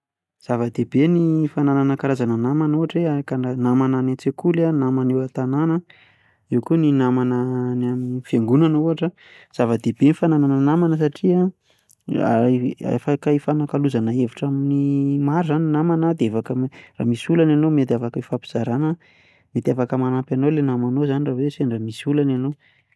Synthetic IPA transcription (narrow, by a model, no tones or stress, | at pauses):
z̥avəd̪ebenifanananəkaɾazananamanuɦaʈ͡ʂeakananamananat͡sekulanamanewat̪ananə | iwkuninamanənaminifeŋɡunanuɦaʈ͡ʂə | z̥avəd̪eb̥enifanananənamanəs̬aʈ͡ʂia | a̰ḛfakaifanakaluzanəeviʈ͡ʂaminimaɾzaninamanad̪eefakəra̰ːmisulananomet̪̬iafakəifapi̥z̥aɾanə | met̪iafakəmanapanowlenamanozaniraweseɳɖ͡ʐamisulanano